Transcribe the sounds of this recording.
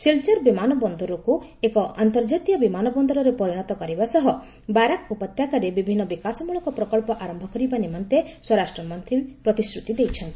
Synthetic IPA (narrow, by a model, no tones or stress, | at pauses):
silt͡ʃɔɾbimanɔbɔnd̪ɔɾɔkuekɔʔant̪ɔɾd͡ʒat̪ijɔbimanɔbɔnd̪ɔɾɔɾepɔɾiɽ̃ɔt̪ɔkɔɾibasɔɦɔ | baɾakupɔt̪jakaɾebibʱinːɔbikasɔmuɭɔkɔpɾɔkɔɭpɔʔaɾɔmbʱɔkɔɾibanimɔnt̪eswɔɾasʈɾɔmɔnt̪ɾipɾɔt̪isɾut̪id̪ejt͡ʃʰɔnt̪i̥